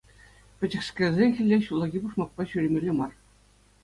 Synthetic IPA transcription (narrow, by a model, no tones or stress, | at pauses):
pʲɘ̆d͡ʑɘ̆xskʲĕrʲzʲexʲɘ̆lʲːeɕulˠɑɡʲipuʂmɑk̚pɑɕyɾʲĕmʲĕlʲemɑr